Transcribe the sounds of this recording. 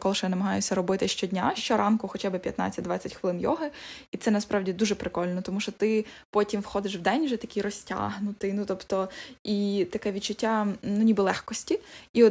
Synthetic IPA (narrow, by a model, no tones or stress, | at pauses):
kɔlˠɪʃɔjanɐmɐɦɑjʊsʲɐɾɔbɪt̪ɪʃt͡ʃɔdʲnʲaʃt͡ʃɔɾʔɑnkʊxɔt͡ʃabɪpʲjɐ̰t̪na̰t͡sʲːɐt̚ʲd̪ʋɑt͡sʲːɐtʲxʋɪlˠɪnjɔ̰ɦɪit̪sɛnɐspɾʔɑwdʲid̪uʒɛpɾɪkɔlʲnɔt̪ɔmuʃɔt̪ɪpɔtʲimwxɔd̪ɪʃwd̪ɛnʲʒɛt̪ɐkʲɪjɾɔsʲtʲa̰ɦnʊt̪ɪnut̪ɔpt̪ɔit̪ɐkɛʋʲit͡ʃːʊtʲːanunʲibɨlˠɛxkɔsʲtʲiiɔ